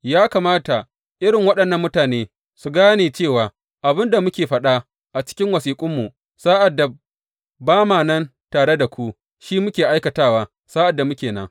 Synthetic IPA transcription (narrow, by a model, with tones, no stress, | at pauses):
jaː˦kaː˨maː˦ta˨ | ʔɪ˦ɽɪ˨ŋwɐ˦ɗɐ˨nːɐ˦mːʊ˦taː˨neː˦ | su˨ɡaː˦neː˨t͡ʃeː˦˨waː˨ | ʔa˨bɪ˦nda˨mʊ˦kʲeː˨ɸɐ˦ɗa˦ | ʔa˨t͡ʃɪ̥˦kʲɪ˦ŋwɐ˨siː˨kʷʼʊ˦mːu˨ | saː˦ʔa˨dːa˨ | baː˦maː˨nɐ˦n | taː˨ɽe˦da˨kʷu˦ | ʃiː˦mʊ˦kʲeː˨ʔa˦jkɐ˨taː˦waː˦ | saː˦ʔa˨dːa˨mʊ˦kʲeː˨nɐ˦ŋ